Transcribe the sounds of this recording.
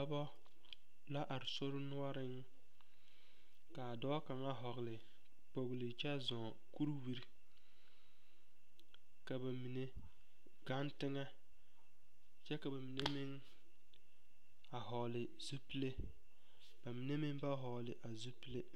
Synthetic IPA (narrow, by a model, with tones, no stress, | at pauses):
a˦bɔ˦ | la˦ʔa˨ɾɪ˨so˦ɾʊ˦nʊ˦a˦ɾɪ˦ŋ | ka˨dɔ˦ka˨ŋa˦ɦɔ˨ɣlɪ˨ | po˨ɣlɪ˨t͡ʃɛ˦zɔ̃ː˨ku˦ɾwi˦ɾ | ka˨ba˨mi˨ne˦ | ɡa˦ntɪ˦ŋa˦ | t͡ʃɛ˦ka˨ba˨mi˨ne˦mɪ˦ŋ | a˨ɦɔ˨lɪ˨ | zu˦pi˦le˦ | b̥a˨mi˨ne˦mɪ˦ŋba˦ɦɔ˨lɪ˨ʔa˨zu˦pi˦le˦